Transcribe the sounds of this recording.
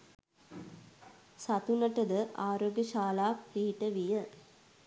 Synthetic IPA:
sɐt̪unɐʈəd̪əʔaːɾoːɡjɐʃaːlaːkpiːʈəʋijə

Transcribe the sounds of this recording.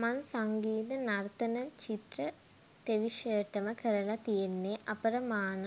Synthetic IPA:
mansaŋɡiːd̪ɐnɐrt̪ɐnɐt͡ʃit̪rɐ | t̪eʋiʂeːʈːɐməkəɾɐlɐt̪ijenːeʔɐpɐɾɐmaːɳɐ

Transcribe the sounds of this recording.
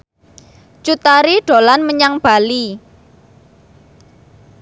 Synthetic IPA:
t͡ʃut̪aɾiɖ̥o̤lanməɲaŋb̥a̤li

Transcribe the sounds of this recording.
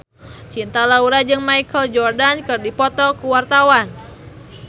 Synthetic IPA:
t͡ʃint̪alauɾad͡ʒɨŋmajkəld͡ʒɔrdankɨrdipɔt̪ɔkuwart̪awan

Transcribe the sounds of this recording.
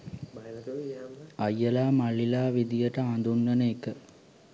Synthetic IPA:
ɐjːɐlaːmɐɭːilaːʋid̪ijəʈɐãnd̪unːəneːkːə

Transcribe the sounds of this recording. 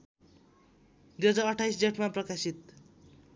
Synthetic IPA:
ɡʌd͡zʌʌʈʰajsd͡zeʈmaprʌkasit̪̚

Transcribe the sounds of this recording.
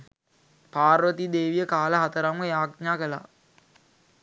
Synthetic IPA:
paːrʋət̪id̪eːʋijəkaːləɦat̪əɾaməjaːɡɲaːkəla̰

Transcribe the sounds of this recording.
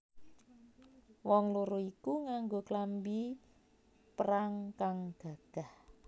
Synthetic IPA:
wɔŋloɾoikuŋaŋɡoklambi | pəɾaŋkaŋɡ̥ä̤ɡ̥a̤h

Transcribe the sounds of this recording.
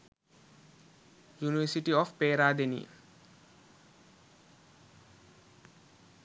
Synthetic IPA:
juniʋesiʈiɔfpeːɾaːd̪enḭ

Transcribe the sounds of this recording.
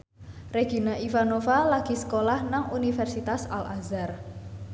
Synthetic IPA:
reɡ̥inaʔifanofalaɡ̥i̤sə̥kolahnaŋunifɛrsit̪asa̰lʔazar

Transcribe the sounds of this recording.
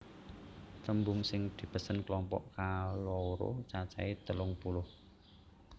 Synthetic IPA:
t̪əmbʊŋsɪŋd̪̥i̤pəsənklɔmpɔ̰ʔkalɔɾo̰t͡ʃat͡ʃait̪əlʊŋpulʊh

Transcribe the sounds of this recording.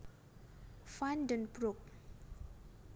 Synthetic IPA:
fandənpɾuk̚

